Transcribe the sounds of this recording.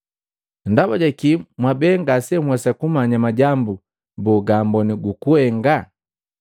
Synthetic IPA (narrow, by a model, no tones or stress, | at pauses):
ndabaɟɛkimwabɛŋɡasɛmwɛsakumaɲamaɟambu | buɡaːmbɔniɡukuhɛŋɡa